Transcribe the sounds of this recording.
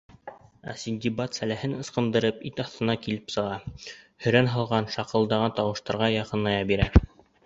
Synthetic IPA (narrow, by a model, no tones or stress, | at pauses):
æ̰sinʲd̪ʲibɑt̪sælæhɘnɤ̆sqɤ̆nd̪ɤ̆ɾɤpit̪ɑθt̪ɤ̆nɑkilɘpsɤ̆ʁɑhɵ̆ɾænɦɑlˠʁɑnʃɑqɤ̆lˠd̪ɑʁɑnt̪ɑwɤ̆ʃt̪ɑɾʁɑjɑqɤ̆nːˠɑjɑbiɾæ